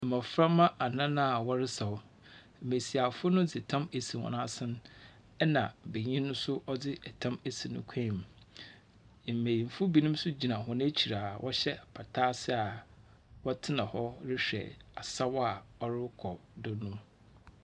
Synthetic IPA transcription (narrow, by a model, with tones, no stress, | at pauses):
mã˨fɾã˦mːã˦ʔa˨nã˦nã˦a˨wɔ˦ɾɪ˦sa˨wʊ˨ | m̩˨me˨si˨a˨fʊ˦ʊ˦nʊ̃˦d͡zɪ˨tʰã˦me˨si˨hɔ̰˨nã˦sɪ̃˦n | ɛ˦nã˨be˨ɲĩ˦nʊ̃˦sʊ˦ʔɔ˦dɪ˦ɛ˨tʰã˦me˨si˨nʊ̰̃˦kʷʰã˦˨m˨ | m̩˨me˨jĩ˨m˨fʊ˦bi˦nĩ˦m˦sʊ˦d͡ʑi˨nã˨ɦɔ̃˨ñ˦t͡ɕʰi˨ɾa˨wʔɔ˦ɕɛ˦˨pʰa˨tʰaː˦sɪ˦a˨ | wɔ˦tʰɪ˦nã˨hɔ˦ɾɪ˦ɕᶣɛ̰˨a˨sa˦wa˨ɔ˦ɾɪ˦kʰɔ˨dʊ˦nʊ̃˦m